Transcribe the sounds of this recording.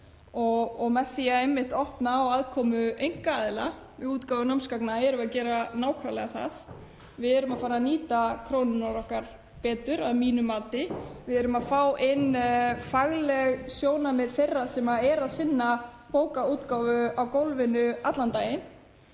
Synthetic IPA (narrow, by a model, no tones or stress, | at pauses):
ɔɣɔɣmɛθiaejmːɪht̪ɔhpnaːwaðkʰɔːmʏejŋ̥kaaðɪla̰vɪuːt̪kaːwvʏnamskaknaɛɾʏmaðcɛːɾanaːwkʰvalɛɣaθa̰ð | vɪðɛɾʏmaðfaːɾaniːt̪akʰɾownʏnaɾɔhkaɾ̥ | pɛːt̪ʏɾaðmiːnʏmaːt̪ɪvɪðɛɾʏmaðfawʔɪnfaɣlɛɣsjoːwnamɪðθejrːasɛmaɛɾaðsɪnːa | poːwkauːt̪kawvʏawkowlvɪnʏat̪lant̪aːjɪn